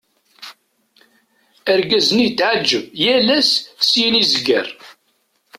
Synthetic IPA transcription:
əɾɡæzənijt̪ːʕad͡ʒːəvjælæssjinizəɡə̰ɾ

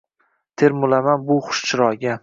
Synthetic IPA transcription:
t̪ʰeɾmʊlamanbʊχʊ̥ʃt͡ʃʰɪɾɒɡʲa

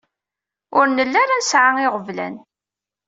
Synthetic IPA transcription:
ʊɾnəlːaɾansʕaɪʁəvlæ̰n

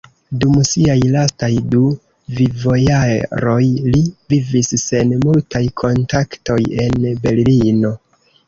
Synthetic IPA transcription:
dumsiajlastajdu | vivo̞jaɾo̞jlivivisːe̞nmultajkʰo̞ntakto̞je̞nbe̞llino̞

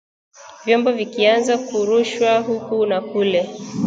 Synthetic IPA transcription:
vjɔmbɔvikianzakuɾuʃwahukunakulɛ

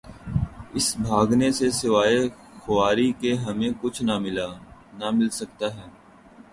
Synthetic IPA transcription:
ɪsbʱaːɡnesesɪʋaːe | xʊʋaːɾikeɦɐmẽkʊt͡ʃʰnamɪlanamɪlsɐk̚t̪aɦɛː

